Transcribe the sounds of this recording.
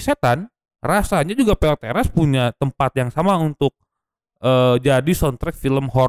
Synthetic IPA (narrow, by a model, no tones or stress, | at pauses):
set̪an | rasaɲad͡ʒuɡapeot̪eɾaspuɲat̪əmpat̪jaŋsamaunt̪ʊk̚ | əːd͡ʒadisɔnt̪ɾɛk̚filəmɦɔ